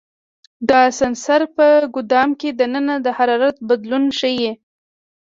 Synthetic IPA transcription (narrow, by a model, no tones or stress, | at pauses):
d̪ɑsansaɾpəɡʊd̪ɑmked̪ənənad̪əhaɾɑɾat̪̚bad̪lunʃəje